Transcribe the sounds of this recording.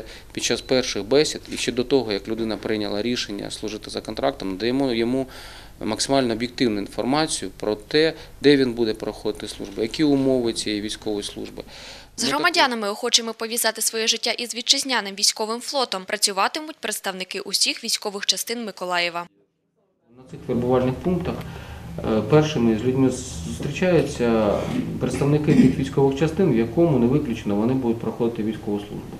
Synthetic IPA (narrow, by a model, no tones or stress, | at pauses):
pʲid̪̚t͡ʃːɑspɛrʃɪxbɛsʲid̪iʃt͡ʃɛd̪ɔt̪ɔɦɔjɐklʲʊd̪ɪnɐpɾɪjnʲɐlˠɐɾʲiʃenʲːɐ̰slˠʊʐɪt̪ɪzɐkɔnt̪ɾɑk̚t̪ɔmd̪ɛjɔmujɔmu | mɐksɪmɑlʲnɔːbʲjɪk̚t̪ɪwnʊinfɔrmɑt͡sʲijʊpɾɔt̪ɛ | d̪ɛʋʲinbud̪ɛpɾɔxɔd̪ɪt̪ɪslˠṵʒbɪjɐkʲiʊmɔʋɪt͡sʲijijʋʲijsʲkɔʋɔjislˠṵʒbɪ | zɦrɾɔmɐdʲanɐmɪɔxɔt͡ʃɪmɔpɔʋʲjizɑt̪ɪsʋɔjɛʒɪtʲːaʔizʋʲid̪̚t͡ʃɪzʲnʲanɪmʋʲijsʲkɔʋɪmflˠɔt̪ɔmpɾʔɐt͡sʲʊʋɑt̪ɪmʊt̚ʲpɾet̪st̪ɐʋnɪkɪʔʊsʲixʋʲijsʲkɔʋɪxt͡ʃɐst̪ɪnmɪkɔlˠɑjɛʋɐ | nɐt̪sɪxʋʲerbʊʋɑlʲnɪxpunkt̪ɐx | pɛrʃɪmɪzʲlʲudʲmɪʊst̪ɾʲit͡ʃɑjʊt͡sʲːɐpɾet̪st̪ɐʋnɪkɪt̪sɪxʋʲijsʲkɔʋɪxt͡ʃɐst̪ɪnʋjɐkɔmʊneʋɪklʲʊt͡ʃenɔʋɔnɪbud̪ʊt̚ʲpɾɐxɔd̪ɪt̪ɪʋʲijsʲkɔʋʊslˠṵʒbʊ